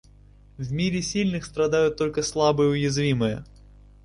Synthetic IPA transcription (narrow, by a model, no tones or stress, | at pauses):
vʲmʲiɾʲɪsʲilʲnɨxst̪ɾɐd̪ajʊt̪ːolʲkəslˠabɨjəʊjɪzvʲimɨjə̰